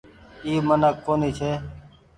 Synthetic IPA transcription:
iːmənəkːoːniːt͡ʃʰeː

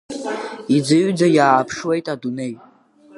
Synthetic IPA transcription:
id͡zɨɥd͡zajaːpʰʂwe̞jtʼadunej

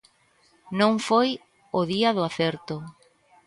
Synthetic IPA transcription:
nõŋfoj | oðiaðʊaθɛɾt̪ʊ

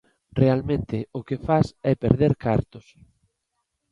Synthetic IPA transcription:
realmẽnt̪ɪʊkɪfasɛpḛɾðeɾkaɾt̪ʊs

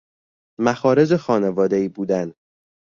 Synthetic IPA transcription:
mæxɒːɾe̞zexɒːnevɒːd̪eiːbuːd̪æn

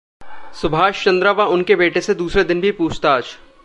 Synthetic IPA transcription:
sʊbʱaːʃt͡ʃɐ̃nd̪ɾaʋaʊnkebeːʈesed̪uːsɾed̪ɪnbʱipuːt͡ʃʰt̪aːd͡ʒ

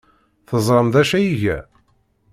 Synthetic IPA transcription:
θəzˤɾˤəmðæʃæjiʝæ̰

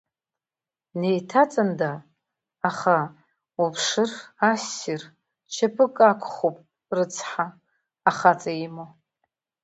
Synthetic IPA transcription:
nejtʰat͡sʼandaː | χa | upʰʂɨrasir | t͡ʃʰapʰɨkʼakʷʰʼχopʼ | rɨt͡sʰħaː | χat͡sʼaimo

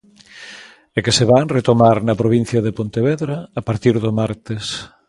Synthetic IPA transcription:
ekeseβaŋret̪omaɾnɐpɾoβin̟θjɐðepont̪eβɛðɾaːpaɾt̪iɾðomaɾt̪es

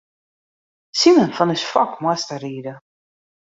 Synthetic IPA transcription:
simənfənəsfɑkmæst̪əridə

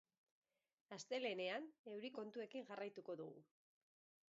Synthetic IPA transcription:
ast̪e̞le̞ne̞ane̞wɾiko̞nt̪ue̞kiŋʝarajt̪uko̞ðuɣṵ

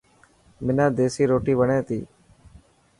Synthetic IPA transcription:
mɪnãːd̪eːsiːɾoːʈiːʋəɳẽːt̪iː

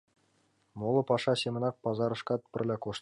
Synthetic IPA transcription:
molˠɤ̆pɑʂɑsʲemɤ̆nɑk̚pɑzɑɾɤ̆ʃkɑt̪̚pʲɘ̆rʲlʲækoʃt̪

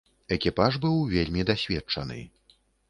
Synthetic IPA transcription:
ɛkʲipaʐbɨwvʲelʲmʲid̪asʲvʲɛt͡ʂɐ̰nɨ̰

